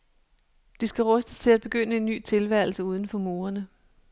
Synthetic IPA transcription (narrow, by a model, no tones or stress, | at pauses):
d̥isɡ̥æʁœsd̥əst͡sʰe̝læd̥̚b̥e̝ɡ̥øn̰əe̝nːy̰ːt͡sʰe̝lʋæɐ̰l̩səuð̞ˠən̩fɒ̽mo̝ːɐnə